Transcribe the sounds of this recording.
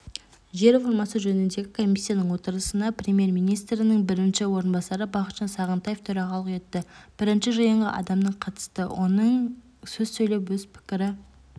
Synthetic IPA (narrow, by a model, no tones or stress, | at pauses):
ʒe̞ɾfoɾmɑsəʒɵnɪnd̪e̞ɡʲɪkʰo̞mijsʲːijanəɴwo̞t̪əɾəsənɑprʲemije̞ɾmijnijst̪ɾɪnəɴbɪɾɪnʃɪwo̞ɾənbɑsɑɾəbɑχət̪ʒ̥ɑnsɑʁənt̪ɑjeft̪ʰɵɾɑʁɑlˠəqe̞t̪ːɪb̥ɪɾɪnʃɪʒɑjəɴʁɑ̰ʔɑ̰d̪ɑmd̪əɴqʰɑt̪ə̥st̪əwʔo̞̰nəɴ | sɵzsɵjlewwɵz̥pʰɪ̥kʲɪɾɪ